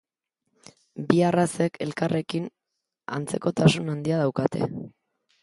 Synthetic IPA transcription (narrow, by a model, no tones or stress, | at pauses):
biarase̞kʰe̞lkare̞kin | a̰nt͡se̞ko̞t̪asunand̪iaðawkat̪e̞̰